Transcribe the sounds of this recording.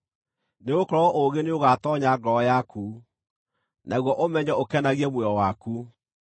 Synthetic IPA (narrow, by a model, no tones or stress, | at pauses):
neokɔɾɔʔoɣeneoɣatɔɲaɡɔjakʰu | nʔaɣwɔʔomɛɲɔokɛnaɣiɛmwɛɔwaku